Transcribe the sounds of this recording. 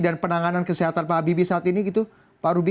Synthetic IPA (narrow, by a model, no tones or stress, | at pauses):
danpənaŋanankəsiɦat̪anpaabibisaat̪iniɡit̪u | paɾubi